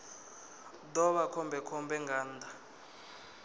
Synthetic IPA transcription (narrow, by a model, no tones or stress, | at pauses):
dɔβakʰɔmbʱɛkʰɔmbʱɛŋɡaːnd̪ʱa